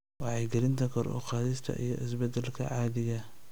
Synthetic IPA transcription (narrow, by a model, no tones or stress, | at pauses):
wɑʕɑjɡɐlɪnt̪ʰɐkʰɔɾʔɔ̰qɑːðɪst̪ʰɐ̰ʔḭjɞʔɪs̬bɛd̪ɛlkʰɐ̰ʕɑːðɪɣɐ